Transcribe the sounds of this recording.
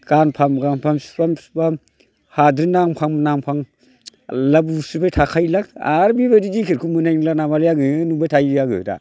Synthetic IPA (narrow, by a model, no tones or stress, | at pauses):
ɡ̥anpʰamɡaŋpʰamsbamsba | hadɾinaŋpʰaŋmnaŋpʰaŋ | labusɯbatʰakʰajlaka̰ɾbibadid͡ʒikʰɯɾkʰumɯnajnlanamalajaɡɯnubajtʰajaɡɯ̰da̰